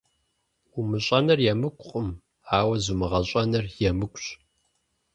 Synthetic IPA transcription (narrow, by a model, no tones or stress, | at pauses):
ʊmɨɕʼɐnɐrjɛmɨkʷʼqʼʊm | aːwɐzumɨʁɐɕʼɐnɐrjɛmɨkʷʼɕʼ